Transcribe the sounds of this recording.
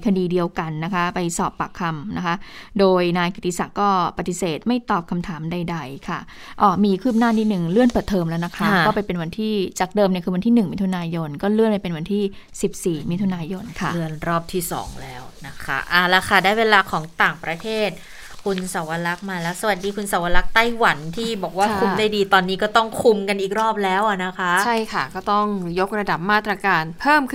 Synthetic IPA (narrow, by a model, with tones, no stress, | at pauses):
jkʰa˧diː˧di˧əwka˧nːa˦˥kʰa˦˥pa˧jsɔː˨˩pːa˨˩kʰːa˧mna˦˥kʰa˦˥ʔdoː˧jnaː˧jki˨˩t̪ːi˦sa˨˩kɔː˥˩pːa˧t̪i˨˧˩seː˨˩t̪̚ma˥˩jt̪ɔː˨˩p̚kʰa˧mt̪ʰaː˩˦mda˧jda˧jkʰa˥˩ | ʔɔː˧˩miː˧kʰɯː˥˩p̚naː˥˩niː˥˩nɯ˨˩ŋlɯ˥˩ənpɤː˨˩t̪ʰːɤː˧mlɛː˦˥wna˦˥kʰa˦˥ɔː˥˩pa˧jpe˧nwa˧nt̪ʰiː˥˩t͡ɕaː˨˩k̚dɤː˧mni˥˩kʰɯː˧wa˧nt̪iː˥˩nɯ˨˩ŋmi˦˥t̪ʰu˧naː˧jo˧nkɔː˥˩lɯ˥˩ənpa˧jpe˧nwa˧nt̪ʰiː˥˩si˨˩p̚siː˨˩mi˦˥t̪ʰu˧naː˧jo˧nkʰa˥˩dɯ˧˩ənɾɔː˥˩p̚t̪ʰiː˥˩sɔ̰ː˩˦ŋlɛː˦˥wna˦˥kʰa̰˦˥ʔa˨˩lɛ˦˧˥kʰa˥˩daː˥˩jweː˧laː˧kʰɔː˩˦ŋt̪aː˨˩ŋpɾa˧t̪ʰeː˥˩t̪̚ | kʰu˧nsa˩˦wa˧la˦˥k̚maː˧lɛ˦˥sa˧wa˨˩diː˧kʰu˧nsa˨˦wa˧la˦˥k̚t̪a˥˩jwa˩˦nt̪ʰiː˥˩bɔː˨˩k̚waː˥˩kʰu˧mdaː˥˩jdiː˧t̪ɔː˧nːiː˦˥kɔː˥˩t̪ɔ˥˩ŋkʰu˧mka˧nʔiː˨˩k̚ɾɔː˥˩p̚lɛː˦˥wʔa˨˩na˦˥kʰa˦˩˦ʔt͡ɕʰa˥˩jkʰa˥˩kɔː˥˩t̪ɔ˥˩ŋjo˦˥k̚ɾa˧da˨˩p̚maː˥˩t̪ɾa˧kaː˧npʰɤː˥˩mk